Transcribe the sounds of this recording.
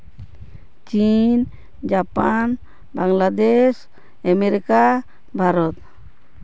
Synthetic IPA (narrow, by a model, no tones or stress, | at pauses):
t͡ʃin | d͡ʒapan | baŋlad̪ɛs | ameɾika | bʱaɾɔt̪̚